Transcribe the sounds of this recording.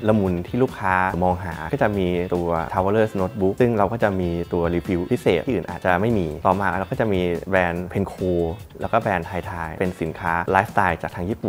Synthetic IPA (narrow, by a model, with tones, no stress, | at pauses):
la˧mu˧nt̪ʰiː˥˩luː˥˩kʰːaː˦˥mɔː˧ŋɦa̰ː˩˦kɔ˥˩t͡ɕa˨˩ʔmiː˧t̪u˧ɐtʰaː˧waː˧lɤː˥˩sno˦˥t̪̚bu˦˥k̚sɯ˥˩ŋɾa˧wkɔː˥˩t͡ɕa˨˩ʔmiː˧t̪u˧ɐɾiː˧pʰi˦˥wpʰi˦˥seː˨˩t̪ʰiː˥˨ɯː˨˩nʔaː˨˩t͡ɕa˨˩ma˥˩jmiː˧t̪ɔː˨˩maː˧a˧ɾa˧wkɔː˥˩t͡ɕa˨˩miː˧bɛː˧npʰe˧nkʰoː˧ | lɛː˦˥wkɔː˥˩bɛː˧nt̪ʰaː˧jt̪ʰaː˧jpe˧nsi˩˦nkʰaː˦˥laː˦˥st̪aː˧jt͡ɕaː˨˩t̪ʰaː˧ŋjiː˥˩pu˨˩n